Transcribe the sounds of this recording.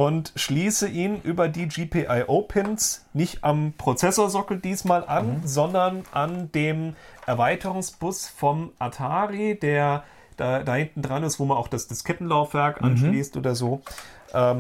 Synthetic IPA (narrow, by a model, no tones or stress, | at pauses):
ʔʊntʃliːsəʔiːnʔyːbɐdiːd͡ʒiːpʰiʔaɪʔoːpʰɪnsnɪçtʔampʁ̥ot͡sɛsoːɐzɔkl̩diːsmaːlʔanzɔndɐnʔandeːmʔɛɐvaɪtʰəʁʊŋsb̥ʊsfɔmʔatʰaːʁideːɐ | d̥aːdaːhɪntn̩dʁanɪstv̥oːmanaʊxd̥asd̥askʰɛtn̩laʊfv̥ɛɐkʔa̰nʃliːstʔo̰ːdɐzoːʔɛːm